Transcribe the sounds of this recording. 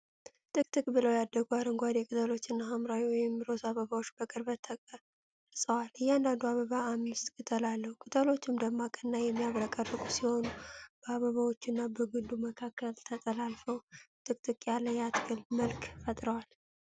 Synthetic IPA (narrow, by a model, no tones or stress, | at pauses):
t̪ʼɨkʼt̪ʼɨkʼbɨləwjad̪ːəɡuaɾɨŋɡʷad̪jɛkʼɨt̪ʰʼəlo̞t͡ʃːɨnːaɦamɾawiwɔjɪmɾo̞saβəβawot͡ʃːbəkʼɨɾbət̪ʰːə | sʼəwalɨjːɛand̪and̪uaβəβaamːɨst̪kʼɨt̪ʰʼəlalːəhukʼɨt̪ʰʼəlo̞t͡ʃːɪmd̪əmːakʼənːajɛmːijaβɾəkʼərːɨkʼusiho̞nub̥əaβəβawo̞t͡ʃːɨnːabəɡɨlːuməkʰakːəlt̪ʰət̪ʼəlalfəwt̪ʼɨk̚ʼt̪ʼɨkʼjalːəjat̪ɡɨlməlkʰʼfət̪ʼɾəwal